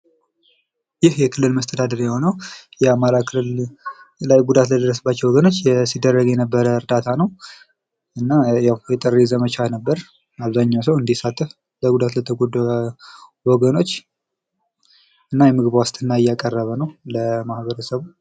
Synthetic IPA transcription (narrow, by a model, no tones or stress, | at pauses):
jɪhjɛkʰɨlːɨlməst̪ʰəd̪ad̪əɾjɛho̞nəwjɛamaɾakʰɨlɨl | lajɡud̪at̪ləd̪əɾːəsəbːat͡ʃːɛwɔɡəno̞t͡ʃːjɛsid̪ːərːəɡjɛnəbːəɾəɨɾd̪at̪ʰanəw | ɨnːajawjɛt̪ʼərːizəmət͡ʃʰanəbːəɾ | aβzaɲːawsəwɨnd̪isat̪ʼːɨf | ləɡud̪at̪lət̪ʰəɡʷod̪ | wɔɡəno̞t͡ʃː | ɨnːajɛmɨɡɨβwast̪ʰɨnːaɪjːakʼərːəβənəwləmahβəɾəsəβu